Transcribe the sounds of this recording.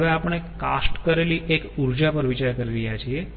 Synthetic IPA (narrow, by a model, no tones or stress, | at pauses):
ʋeapəɳ̃ekasʈkəɾeliʔekuɾd͡ʒapəɾʋit͡ʃaɾkəɾiɾəjat͡ʃʰie